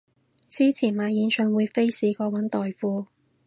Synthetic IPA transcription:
t͡siː˥t͡sʰiː˨˩nmaː˨˧jiː˨˧˥nsœː˨˧ŋwuː˨˧jfe˥jsiː˨˥kɔː˧wɐ˨˥nt̪ɔː˨jfuː˧

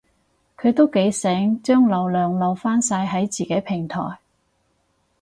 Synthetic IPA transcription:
kʰɵ˨˧ɥt̪o˥wke˨˥jsɛː˨˥ŋt͡ʃœː˥ŋlɐ˨˧wlœː˨ŋlɐ˨˧wfaː˥nsaː˧jɦɐ˨˥jt͡siː˨keː˨˥pʰɪ˨˩ŋt̪ʰɔ̰ː˨˩j

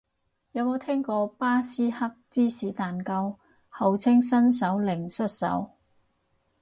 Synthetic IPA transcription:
jɐ˨˧wmo˨˧wt̪ʰɛː˥ŋkɔː˧paː˥siː˥hɐ˥k̚t͡siː˥siː˨˥t̪aː˨nkɐ˧w | hɐ˨wt͡sʰɪ˥ŋsɐ˥ns̬ɐ˨˥wlɪ˨˩ŋsɐ˥t̚sɐ̰˨˥w

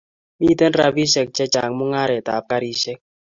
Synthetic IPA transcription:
mi˦tɛ˦nɾa˦bi˦ʃɛ˨k̚t͡ʃɛ˦t͡ʃa̰˨ŋmʊ˦ŋa˦ɾɛ˨ta̰˨p̚ka˦ɾi˦ʃɛ˦k̚

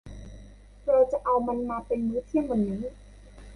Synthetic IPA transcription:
pɾɔː˧t͡ɕa˨˩ʔa˧wma˧nmaː˧pe˧nmuː˦˥t̪ʰi˧˥əŋmɔ˧nːiː˦˥

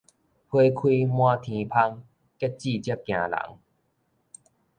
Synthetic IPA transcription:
hwe˧kʰwi˧mw̃ã˧t̪ʰĩ˨˧˦pʰa˧ŋ | ke˦˥t̚t͡ɕi˥˧˨t͡ɕi˦p̚kj̃ã̰˨la̰˨˩˦ŋ

